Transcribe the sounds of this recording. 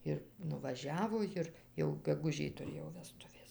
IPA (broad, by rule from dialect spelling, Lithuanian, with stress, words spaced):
ˈɪr nʊʋɐˈʒʲæːʋoː ˈjɪr jɛʊ ɡʲɛɡʊˈʒʲɪj tʊˈrʲeːjoː ʋʲɛˈstʊʋʲeːs